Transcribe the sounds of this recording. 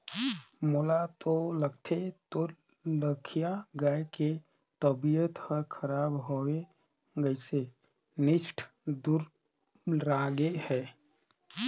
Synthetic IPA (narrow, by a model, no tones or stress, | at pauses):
molat̪olək̚t̪ʰet̪o | ləkʰijaɡaːeke | t̪əbijət̪həɾkʰəɾaːbɦoe | ɡəɪse | nɪʃʈʰ | d̪uɾ | ɾaːɡehɛː